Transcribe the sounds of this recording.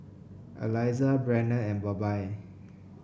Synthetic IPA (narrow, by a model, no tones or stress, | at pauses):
ʔə̰lajzabɹɛnəɛ̃nbɔbaj